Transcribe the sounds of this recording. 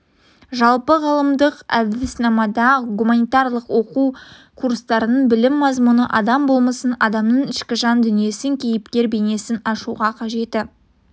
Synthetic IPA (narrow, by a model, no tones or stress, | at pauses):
ʒɑlˠpəʁɑlˠəmd̪əqæ̰bd̪ɪsnɑmɑd̪ɑɡumanijt̪ɑɾlˠəqwo̞qu | kʰuɾst̪ɑɾənəɴbɪlɪmːɑzmunə̰ʔɑd̪ɑmbolˠməsənɑd̪ɑmnəɴɪʃkʲɪʒɑnd̪ʏnije̞sɪŋkʲʰejɪpkʲe̞ɾbe̞ne̞sɪnɑʃuʁɑqʰɑʒe̞t̪ɪ